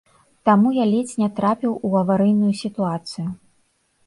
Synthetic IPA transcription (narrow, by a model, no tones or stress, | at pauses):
t̪amujalʲet͡sʲnʲɛt̪ɾapʲiwuɐvaɾɨjnujusʲit̪uat̪sɨju